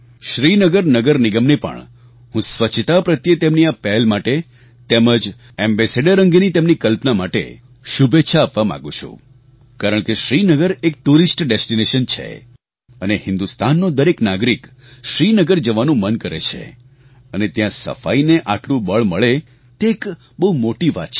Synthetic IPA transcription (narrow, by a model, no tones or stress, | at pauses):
ʃɾinəɡəɾnəɡəɾniɡəmnipə̰ɳ | ɦũsʋət͡ʃʰt̪apɾət̪jət̪emniapɛlmaʈe | t̪eməd͡ʒ | embeseɖəɾəŋɡinit̪emnikəlpnamaʈḛ | ʃubʱeʃʰaːpʋamã̰ɡũt͡ʃʰṵ̃ | kaɾəɳ̃keʃɾinəɡəɾek̚ʈuɾisʈɖesʈineʃənt͡ʃʰḛ | ənehɪnd̪ust̪anːod̪əɾeknaɡɾik | ʃɾinəɡəɾd͡ʒəʋanũmənkəɾḛt͡ʃʰḛ | ənet̪jãsə̰fa̰ineʔaʈlũbəɭməɭe | t̪eːk | bəɦumoʈiʋa̰t͡ʃʰ